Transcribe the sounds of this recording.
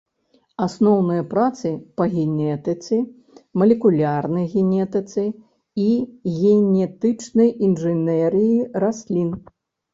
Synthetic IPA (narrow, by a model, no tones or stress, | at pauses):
asnɔwnɨjɐpɾat̪sɨpɐɣʲɛnʲɛt̪ɨt̪sɨ | mɐlʲɛkulʲarnɐjɣʲɛnʲɛt̪ɨt̪sɨ | iɣʲɛnʲɛt̪ɨt͡ʂnɐjinʐɨnɛɾɨjirasʲlʲin